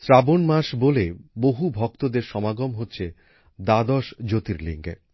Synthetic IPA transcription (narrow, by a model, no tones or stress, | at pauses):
sɾabonmaʃboleboɦubʱɔk̚t̪od̪eɾʃɔmaɡomɦotːɕʰe | d̪ad̪ɔʃd͡ʑot̪iɾlḭŋɡe